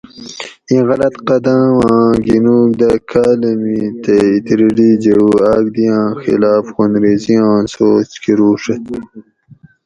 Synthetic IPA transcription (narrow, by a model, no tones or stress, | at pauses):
ĩɣɐlɐt̪qɐd̪ãwãːɡinuːkd̪ɐkʰaːlɐmit̪eit̪iɾiɖid͡ʑeɽuːaːɡ̚d̪ijãːxḭlaːfxonɾeːzijãːnsoːt͡ɕkiɾuːʂɐt̪